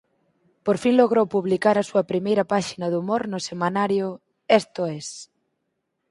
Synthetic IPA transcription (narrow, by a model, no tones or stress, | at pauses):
poɾfinloɣ̞ɾowpuβlikaɾɐsuɐpɾimejɾɐpaʃinɐðumoɾnʊsemãnaɾjʊ | ɛst̪oɛs